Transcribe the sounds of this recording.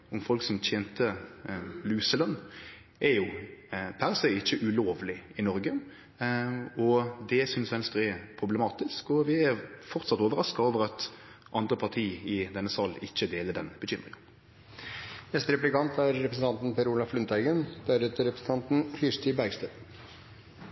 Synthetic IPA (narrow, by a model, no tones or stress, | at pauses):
ɔmfɔlksɔmt̪ʰjeːnt̪ʰə | lʉːsəlœnː | ʔɛɾjʊpʰæʁsɛɪɪçːəʔʉloːʋlɪɪnɔɾɡə | ɔd̪ɛsʏnsʋɛnst̪ʁɪpʰʁʊblɛmɑːt̪ɪskɔʋɪæɾfɔʁt̪sɑt̪oːʋəɾʁɑskɑoːʋəɾɑt̪ | ʔɑnd̪ʁəpʰɑʁt̪ʰiːɪd̪ɛnːəsɑlɪçːəd̪eːləɖɛnb̥əçʏmːʁɪ̰ŋən | nɛst̪ɾɛplɪkɑnt̪æɾːɛpɾəsən̩t̪ɑnt̪n̩pɛɾuːlɑflʉnt̪æɪɡənd̪̥æɾɛt̪əɾɛpɾəsn̩t̪ɑnt̪n̩hɪst̪ʏbæɡst̪ə